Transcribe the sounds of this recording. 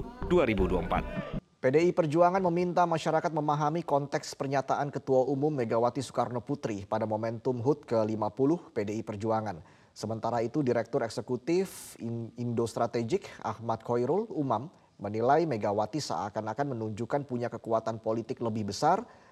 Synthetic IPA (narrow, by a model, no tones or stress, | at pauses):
duaɾibuduaəmpa̰t̪̚ | pedeipərd͡ʒuaŋanməmint̪amaʃaɾakat̪̚məmaɦamikɔnt̪ɛkspərɲat̪aʔankət̪uaumʊmːeɡawat̪isu̥karnoput̪ɾipadamomɛnt̪ʊmɦʊt̪̚kəlimapulʊhpedeipərd͡ʒuaŋan | səmənt̪aɾait̪udiɾɛk̚t̪ʊɾɛksəkut̪ɪfindost̪ɾat̪ed͡ʒɪka̰hmat̪̚kʰojɾʊlumamː | ənilajmeɡawat̪isa̰a̰kanakanmənuɲd͡ʒukanpuɲakəkuat̪anpolit̪ɪkləbɪhbəsar